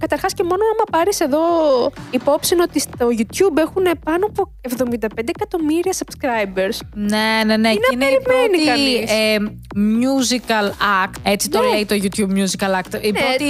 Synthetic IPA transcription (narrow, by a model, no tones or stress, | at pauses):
kɐt̪ɐɾxɐsce̞mo̞noɐmɐpɐɾise̞ðo̞ipo̞psino̞t̪ist̪o̞ʝut̪ç̥ube̞xune̞pɐnoɐpoe̞vðo̞mind̪ɐpend̪eːkɐt̪o̞miɾiɐsɐb̥skɾɐjbeɾsneneneinenɾimeniɐnise | mjuzikɐlɐɾkt̪e̞t͡si̥t̪oleit̪oʝut̪çubmɲuzikɐlɐɾk̚t̪iot̪i